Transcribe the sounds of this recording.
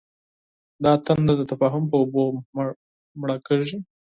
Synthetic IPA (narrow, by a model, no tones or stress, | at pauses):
d̪ɑt̪and̪ad̪ət̪afɑɦʊmpəobom | mɽakəi